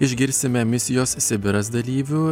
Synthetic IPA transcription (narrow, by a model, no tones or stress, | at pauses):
ɪʒʲɡʲɪɾʲsʲɪmʲɛmʲɪsʲɪjoːssʲɛbʲɪɾɐsd̪ɐlʲiːʋʲʊ